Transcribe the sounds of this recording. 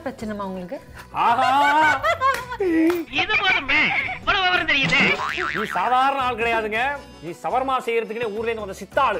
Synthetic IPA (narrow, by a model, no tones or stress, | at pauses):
pɾɐt͡ʃːɐnɐmaːʊŋɡɐɭɯkːɯ | aːɦaː | ɪðɯpoːðɯmeʋɐɽɐʋɐʋɐɾɐ̃t̪ɛɾɪjɐðɯniːsaːðaːɾɐnɐaːɭkɪɽɐjaːðɯŋɡɐ | niːsɐʋɐɾmaːsɛjːɪɾɐðɯkːɯneːuːɾɪleːnɡ̪ɯʋɐnd̪ɐsɪt̪ːaːɭɯ